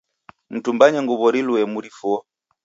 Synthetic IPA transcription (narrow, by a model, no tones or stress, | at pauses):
m̩tumbaɲɛŋɡuβɔɾiluɛmuɾifuɔ